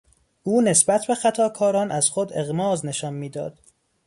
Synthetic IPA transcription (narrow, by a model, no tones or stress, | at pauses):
ʔuːne̞sbæt̪ʰbe̞xæt̪ʰɒːkʰɒːɾɒːnʔæz̥xod̪e̞ɣmɒːzne̞ʃɒːnmiːd̪ɒ̰ːd̪̥